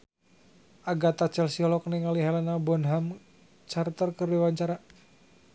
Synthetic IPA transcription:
ʔaɡat̪at͡ʃɛlsiɔlɔkniŋaliɦɛlanabɔnɦam | t͡ʃart̪ərkərdiwaɲt͡ʃaɾa

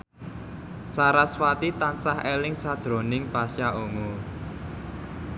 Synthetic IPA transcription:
saɾaswat̪it̪ansahelɪŋsad̥ʒ̥ɾo̤nɪŋpaʃaʔomo

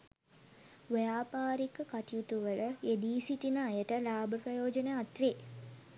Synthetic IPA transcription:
ʋəjaːpaːɾikəkaʈijut̪uʋəɭəed̪iːsiʈinəːjəʈəlaːbʱəprəjoːd͡ʒəneat̪ʋeː

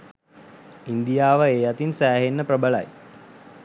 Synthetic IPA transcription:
ind̪ijaːʋəeːjat̪insæːɦenːəprəbəla̰j

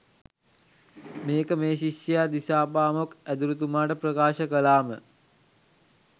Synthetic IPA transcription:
meːkəmeːʃiʃjəjad̪isaːpaːmokæd̪uɾut̪umaːʈəprəkaːʃəkəlaːmə

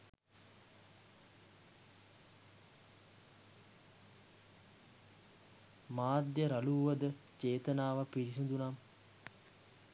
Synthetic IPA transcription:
maːd̪jəɾaluːʋəd̪ət͡ʃeːt̪ənaːʋapiɾisund̪unam

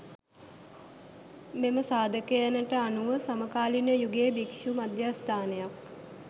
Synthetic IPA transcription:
meməsaːd̪əkejanəʈəanuʋəsaməkaːlinəjuɡeːbikʃumad̪jaːst̪ʰaːnejak

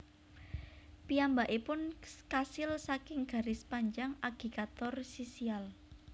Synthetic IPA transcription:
piambaʔepʊnkasɪlsakɪŋɡ̥a̤ɾɪspaɲd͡ʒaŋaɡ̥i̤kat̪ɔrsisial

